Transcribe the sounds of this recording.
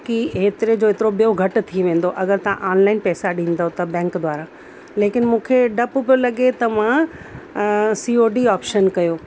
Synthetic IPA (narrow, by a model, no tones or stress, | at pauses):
kiɦeːt̪ɪɾed͡ʑoːet̪ɪɾoɓijoɡʱɐʈt̪ʰiʋẽːn̆d̪oʔɐɡəɾt̪ɐʋ̤ã̰ʔaːnlaːɪnpɛːsaɗĩːn̆d̪ot̪ɐbɛ̃ːŋkd̪waːɾã | leːkɪnmũːkʰeɖɐpʊpolɐɠet̪ɐmã | siːoːɖiaːpʃənkɐjoː